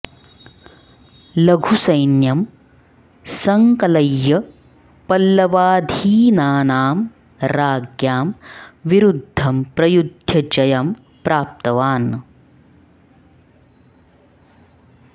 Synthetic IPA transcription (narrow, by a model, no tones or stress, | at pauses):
lɐɡʱusɐjnjɐm | sɐŋkɐlɐjːɐ | pɐlːɐʋaːd̪ʱiːnaːnaːm | ɾaːɡjaːmʋiɾud̪ʱːɐmpɾɐjud̪ʱjɐd͡ʒɐjɐm | pɾaːp̚t̪ɐʋaːn